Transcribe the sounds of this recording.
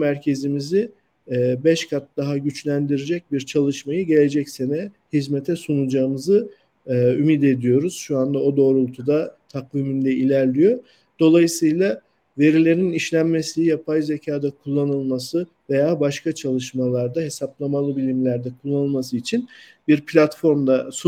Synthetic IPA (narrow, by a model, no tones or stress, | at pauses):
mæɾcʰe̞zimiziː | bɛʃkʰat̪̚d̪aɦaɟyt͡ʃlʲænd̪iɾed͡ʒɛc̚biɾt͡ʃʰalˠɯʃmajɯɟe̞lʲe̞d͡ʒɛcse̞nɛhizmet̪ʰɛsunud͡ʒaːɯmɯzɯː | ymid̪e̞d̪ijo̞ɾuz̥ʃuand̪ao̞d̪o̞ːɾulˠt̪ʰud̪at̪ʰakviːmind̪ɛilʲæɾlʲijo̞ | d̪̥o̞lˠajɯsɯjlˠa | ve̞ɾilʲe̞ɾiniʃlʲænme̞siijapʰajze̞cʰaːd̪akʰulˠːanɯlˠmasɯ | ve̞jaːbaʃkat͡ʃʰalˠɯʃmalˠaɾd̪aɦe̞saplˠamalˠɯbilʲimlʲæɾd̪ɛkʰulˠːanɯlˠmas̬ɯit͡ʃʰinbiɾpʰlʲat̪fo̞ɾmd̪asu